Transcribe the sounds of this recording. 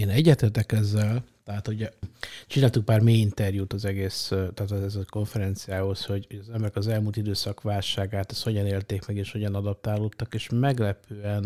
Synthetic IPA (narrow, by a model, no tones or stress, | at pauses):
eːnɛɟːɛt̪eːrt̪ɛkɛzːɛlt̪ɛɦaːt̪huɟɛt͡ʃinaːlt̪uk̚paːrmeːint̪ɛrjut̪ɒzɛɡeːst̪aːt̪ɛzɛko̞ɱfɛɾɛnt̪sijaːho̞sho̞ɟhoɟɒzɛmbɛɾɛkɒzɛlmult̪id̪øːsɒkʋaːlʃaːɡaːt̪ɛsho̞ɟɒneːlt̪eːkmɛɡeːʃho̞ɟɒnɒd̪ɒp̚t̪aːloːt̪ːɒkeːʃmɛɡlɛpʰøːɛn